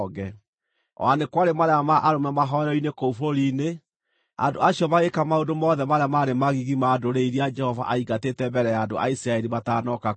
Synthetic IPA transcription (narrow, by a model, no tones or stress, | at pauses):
ɣɛ | ɔ̰anekwaɾemaɾeamaʔaɾomɛmaɦɔɛɾɔinekoufoɾine | a̰ndoaɕjɔmaɣekamaondomɔðɛmaɾeamaɾemaɣiɣimadoɾeiɾiad͡ʒɛhɔva̰ʔaiɡatetɛmbɛɾɛjaːndoa̰isiɾaɛɾimatanɔka